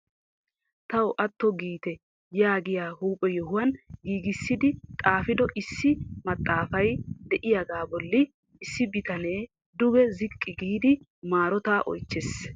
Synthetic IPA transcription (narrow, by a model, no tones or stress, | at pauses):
t̪ɐwʔɐt̪ːɔɡiːt̪ɛ | jaːɡɪjaːhuːpʼːɛjɛhʊwɐnɡiːɡɪsːɪd̪ɪt̪ʼaːfɪd̪ɔʔɪsːɪmɐt̪ʼːaːfɐjd̪ɛʔɪjaɡ̪aːbɔlːɪ | ɪsːɪbɪt̪ɐne̞ː | d̪ʊɡɛzɪkʼːɪɡiːd̪ɪ | maːɾɔt̪aːʔɔ̰jt͡ʃːes